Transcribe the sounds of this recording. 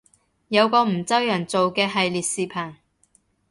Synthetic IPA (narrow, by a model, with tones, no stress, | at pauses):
jɐ˨˧wkɔː˧m̩˨˩t͡sɐ˥wjœ˨˩ŋt͡so˨wkɛː˧ɦɐ˨jliː˨t̚siː˨pʰaː˨˩n